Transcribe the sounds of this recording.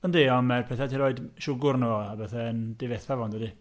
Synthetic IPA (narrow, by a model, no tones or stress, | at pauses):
andiɔnmɛrpʰɛθɛtʰiɾoɨdʃʊɡʊrnoabɛθɛəndɪveθavɔndədi